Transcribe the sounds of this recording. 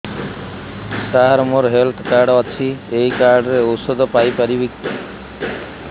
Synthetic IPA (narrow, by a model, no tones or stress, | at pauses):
saɦaɾmoɾɦelt̪ʰkaɾɖɔt͡ʃʰiejkaɾɖɾeosod̪ʱɔpajpaɾibikt̪i